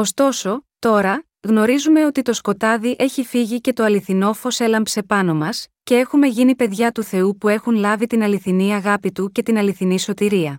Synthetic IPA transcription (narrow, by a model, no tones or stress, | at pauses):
o̞st̪o̞so̞t̪o̞ɾɐ | ɣno̞ɾizume̞o̞t̪it̪o̞sko̞t̪ɐðiʔe̞çifiʝice̞t̪o̞ɐliθino̞fo̞se̞lɐmpse̞pɐno̞mɐsce̞e̞xume̞ʝinipe̞ðʝɐt̪uθe̞upue̞xunlɐvit̪inɐliθiniɐɣɐpit̪uce̞t̪inɐliθiniso̞t̪iɾiɐ